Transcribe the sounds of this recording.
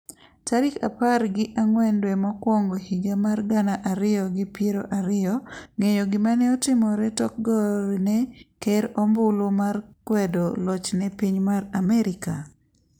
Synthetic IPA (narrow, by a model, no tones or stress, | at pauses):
taɾika̰parɡɪʔaŋwɛndwɛmɔkwɔŋɡohiɡamarɡanaʔaɾɪjɔɡɪpjeɾoʔaɾɪɔŋejoɡɪmanɛɔtɪmɔɾɛtɔk̚ɡɔɾnɛkɛɾɔmbʊlomarkwɛdɔlɔt͡ʃnɛpiɲmaɾamɛɾɪka